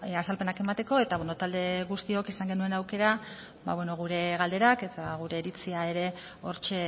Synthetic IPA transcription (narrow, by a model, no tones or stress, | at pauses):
asalpe̞nake̞mat̪e̞ko̞e̞t̪aβweno̞t̪ald̪e̞ɣust̪io̞kisaŋɡe̞nue̞nawke̞ɾa | ba̰βweno̞ɣ̞uɾe̞ɣald̪e̞ɾake̞t̪aɣ̞uɾe̞ːɾit͡siae̞ɾe̞ | o̞ɾt͡ʃe̞